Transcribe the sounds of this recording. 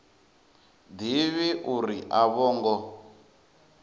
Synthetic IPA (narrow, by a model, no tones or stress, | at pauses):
d̪iβiʔuɾiʔaβɔːŋɡɔ